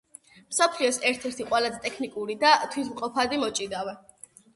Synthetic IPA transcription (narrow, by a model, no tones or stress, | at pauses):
msɔpʰliɔsɛɾt̪ʰɛɾt̪ʰiqʼwɛlazɛt̪ʼɛkʰnikʼuɾid̪at̪ʰwit̪ʰmqʼɔpʰad̪imɔt͡ʃʼid̪awɛ